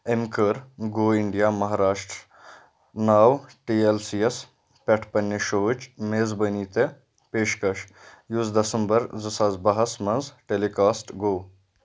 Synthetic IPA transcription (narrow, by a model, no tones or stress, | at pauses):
emkəɾɡoːiɳɖijaːmɐɦaːɾaːʃʈɾ | naːwʈiːelsiːes | pʲɐʈʰpɐnʲːeʃot͡ʃmeːzbɐniːt̪e | peːʃkɐʃ | juzd̪ɐsɐmbɐɾzɨsaːzbɐɦɐsmɐnzʈeːlikaːsʈɡoː